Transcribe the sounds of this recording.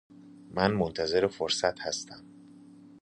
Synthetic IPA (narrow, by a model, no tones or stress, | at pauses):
mænmont̪ʰæze̞ɾefoɾsæt̪hæst̪ʰæm